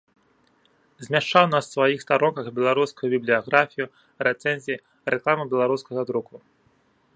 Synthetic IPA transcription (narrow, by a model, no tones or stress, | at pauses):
zʲmʲaʂt͡ʂawnasːvajixst̪aɾɔnkɐɣbʲɛlˠaɾuskujubʲiblʲijaɣɾafʲiju | rɛt̪sɛnʲzʲiji | rɛklˠamɨbʲɛlˠaɾuskɐɣɐd̪ɾuku